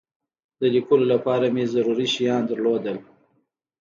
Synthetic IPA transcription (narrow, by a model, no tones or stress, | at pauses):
d̪əlikulolapɑɾamezaɾuɾiʃijɑnd̪əɾlod̪əl